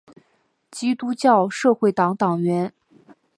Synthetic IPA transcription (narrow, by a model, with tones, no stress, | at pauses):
t͡ɕi˥t̪u˥t͡ɕjɑ˥˧ʊʂɤ˥˧xwe˥˩ɪt̪ɑ˧˥ŋt̪ɑ˨˩ŋɥɛ˧˥n